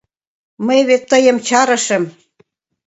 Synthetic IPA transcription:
məjβet̪ːɤjə̆mt͡ɕɑɾə̆ʃə̆m

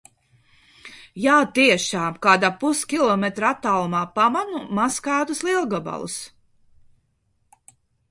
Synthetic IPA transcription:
jaːt̪iɛʃaːmkaːd̪aːpuskʲilˠɔmɛt̪ɾat̪ːalˠmaːpamanumaskaːt̪uslˠilˠɡaba̰lˠṵs

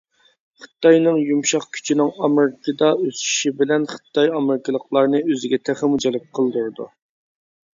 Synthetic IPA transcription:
χə̥t̪ʰːɑjnɨŋjumʃɑχkʲʰy̥t͡ʃʰinɪŋɑmeɾɪkʰɨd̪ɑøsy̥ʃibɪlɛnχə̥t̪ʰːɑjɑmɪɾɪkʰəlˠəqlˠɑɾnɨøzɪɡʲɛt̪ʰæχɪmud͡ʒɛlɪp̚qʰəlˠd̪uɾd̪ṵ

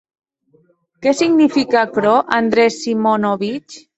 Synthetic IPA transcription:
kɛsiɡnifikakɾɔʔand̪ɾɛsːimonoβit͡ʃ

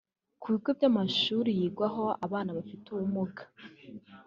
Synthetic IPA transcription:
kʰuβikobjamaʃuːɾijiːɡwaɦo̞aβaːnaβafituumuɡḁ

